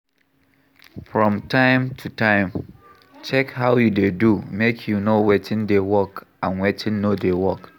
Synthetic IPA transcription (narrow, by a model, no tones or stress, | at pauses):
fɹɔ̃mtʰãɪ̃mtʰutʰãɪ̃m | t͡ʃɛkhaʊjudedumekʰjunowetʰɪ̃ndewɔkãnwetʰɪ̃nːodewɔk